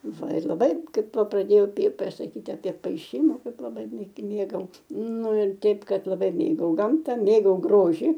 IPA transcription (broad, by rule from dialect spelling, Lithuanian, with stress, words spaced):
ˈʋɐ ɪr lˠɐˈbɐɪ ˈkɐɪp ˈʋɐ prɐˈdʲeːjɛʊ pʲeː sɐˈkʲiːtʲɪ ɐpʲeː pɐɪˈʃʲiːmɐ ˈkɐɪp lˠɐˈbɐɪ mʲeː ˈmʲeːɡɐʊ ˈnʊ ɪr ˈtʲɛɪp ˈkɐt lˠɐˈbɐɪ ˈmʲeːɡɐʊ ˈɡɐmtɐ ˈmʲeːɡɐʊ ˈɡroːʒʲɪ